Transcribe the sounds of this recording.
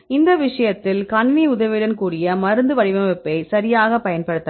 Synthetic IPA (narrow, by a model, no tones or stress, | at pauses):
ɪnd̪ɐʋɪʂɐjɐt̪ːɪlkɐɳʋiʊðɐʋɪɽɐnkuːɽɪjɐmɐɾɯnd̪ɯʋɐɻɪʋɐmɛpːɐɪsɐɾɪjaːɣɐpɐjɐnpɐɽɯt̪ːɐ